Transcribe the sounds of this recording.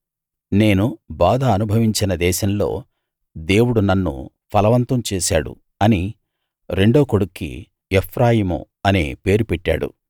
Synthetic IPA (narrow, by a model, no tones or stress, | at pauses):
ne̞ːnubaːd̪ʱɐːnubʱɐʋiɲt͡ʃinɐd̪ɛːʃɐmlo̞̰ː | d̪e̞ːwuɽunɐnːṵ | pʰɐlɐʋɐnt̪ɐmt͡ʃeːʃaːɽṵ | ɐni | ɾe̞ɳɖo̞ːkoɽukːḭ | epʰɾaːjiːmṵ | ɐnḭpe̞ːɾupeʈːa̰ːɽṵ